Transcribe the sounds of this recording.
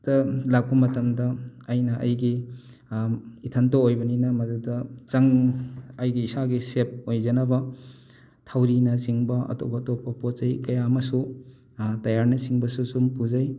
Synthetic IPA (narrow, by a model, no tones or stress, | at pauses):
d̥ɐlak̚pumɐtɐmdɐɐjnɐʔɐ̰jɡi | itʰɐntoojbɐninɐmɐdudɐt͡ʃɐŋɐjɡiːsaɡisep̚ojzɐnɐbɐ | tʰawɾinɐsiŋbɐʔɐ̰to̰bɐtopːɐpot͡ʃɐjkɐjamɐsu | tɐjaɾnɐsiŋbɐsusumpuzɐj